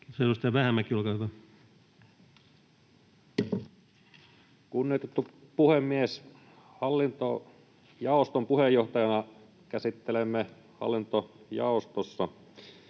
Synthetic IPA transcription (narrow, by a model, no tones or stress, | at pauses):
selːost̪ɑʋæhæmːækːolkɑet̪ɑ | kunːiot̪et̪ːupuhemːies | hɑlːint̪o̰ | jɑˑost̪ompuhejːoht̪ɑjɑnɑ | kæsit̪ːelemːe | hɑ̰lːint̪ojɑ̰ˑost̪osːɑ